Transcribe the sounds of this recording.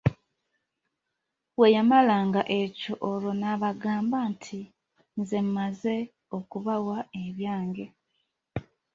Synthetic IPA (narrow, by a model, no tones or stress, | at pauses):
we̞jamalaːŋɡaʔe̞co̞ʔolo̞naβaɡaːmbaːntʰi | nzemmaze̞ | o̞kuβawaeβjaːŋɡe̞